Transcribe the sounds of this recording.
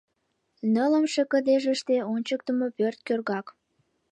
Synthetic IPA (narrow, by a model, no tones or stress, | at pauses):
nələmʃekəd̪eʒəʃt̪eonʲt͡ɕək̚t̪əmopørt̪̚kørɣɑk